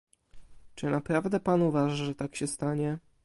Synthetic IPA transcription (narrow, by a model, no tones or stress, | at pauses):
t͡ʂɘnapɾavd̪ɛpanuvaʐaʐɛt̪akɕɛst̪aɲɛ